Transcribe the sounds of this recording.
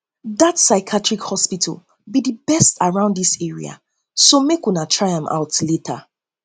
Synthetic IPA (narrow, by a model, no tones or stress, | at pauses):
ðatsaɪkʰatɹikhɔspitʰə̰l̩ˠ | bidibɛstaɹãʊ̃ndðisɛɹḭa̰ | somekwinatʰɹaɪãmʔa̰ʊtletʰa